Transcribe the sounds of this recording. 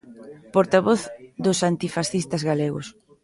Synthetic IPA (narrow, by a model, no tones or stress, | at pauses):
poɾt̪aβoθd̪ʊsant̪ifasθist̪ɐzɣaleɣʊ̰s